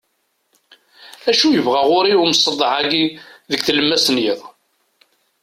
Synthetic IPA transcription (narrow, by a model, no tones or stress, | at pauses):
æʃujəvʁæʁʊɾiwməsˤːəd̪ˤːəʕaɡiðəkθələmːæsənjɪðˤ